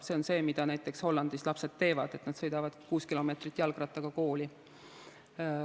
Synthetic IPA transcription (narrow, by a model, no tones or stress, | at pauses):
se̞onse̞ːmid̪̥ɑnæjt̪ˑːe̞ksho̞lːɑnd̪̥islɑpse̞d̪t̪ːe̞ːvɑd̪̥e̞t̪ˑnɑd̪sɤ̞jd̪̥ɑvɑd̪kuːskilo̞meːt̪rit̪ːˑjɑlɡ̥rɑt̪ːˑɑɡ̥ɑko̞ːli